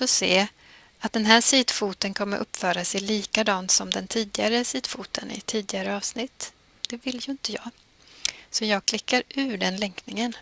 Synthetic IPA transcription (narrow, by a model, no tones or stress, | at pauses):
sɔseː | at̪̚d̪ɛnɦæːʂiːd̪fuːt̪ənkʰɔmːə̰ʔɵpːfœːɾasɛliːkad̪ɑːnt̪sɔmd̪ɛnt̪ʰiːd̪ɪɡaɾəsiːd̪̥fuːt̪ʰənɪ̰t̪ʰiːd̪ɪɡaɾəɑːvsnɪt̪ː | d̪̥ɛvɪljɵɪnt̪əjɑːɡ | sɔjɑːɡ̚kʰlɪkːaɾʉ̟ːɖɛnlɛŋknɪŋən